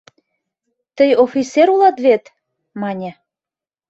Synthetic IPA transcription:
t̪əjofit͡sːeɾulɑt̪βet̪ | mɑnʲĕ

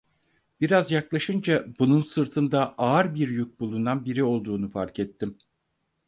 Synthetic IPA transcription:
b̥iɾazjaklˠaʃɯnd͡ʒabununsɯɾt̪ʰɯnd̪aʔaːɾbiɾjyk̚bulˠunanbiɾio̞lˠd̪uːnufaɾkɛt̪ʰːim

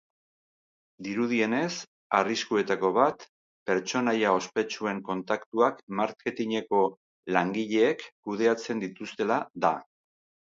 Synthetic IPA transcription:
d̪iɾuð̞ie̞ne̞s | ariskue̞t̪ako̞β̞at̪ | pe̞ɾt͡ʃo̞najao̞spe̞t͡ʃue̞ŋko̞nt̪akt̪uakmaɾke̞t̪iɲe̞ko̞ | laŋɡiʎe̞ːkːuð̞e̞at͡se̞nd̪it̪ust̪e̞laða

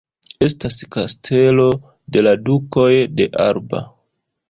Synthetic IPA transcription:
e̞staskastʰe̞lo̞ | de̞laduko̞jde̞ʔaɾba̰

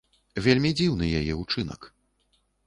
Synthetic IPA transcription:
vʲelʲmʲid͡zʲiwnɨjajɛut͡ʂɨnɐ̰k

